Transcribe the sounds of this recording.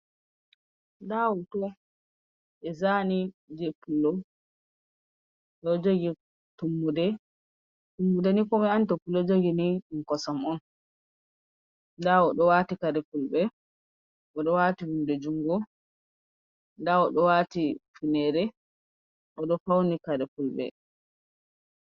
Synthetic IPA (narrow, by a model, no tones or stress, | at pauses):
dawɔtɔ | ɛzanid͡ʒepulːɔ | ɗɔd͡ʒoɡi | tumːudɛ | tumːudɛnikɔmɛantɔpulːɔd͡ʒoɡiniuŋkɔsamɔn | daɔɗɔwatikaɾɛpulbɛ | ʔɔɗɔwatihumdɛd͡ʒuŋɡɔ | daɔɗɔwaːtifunɛɾɛ | ʔɔɗɔfawnikaɾɛpulɓɛ̰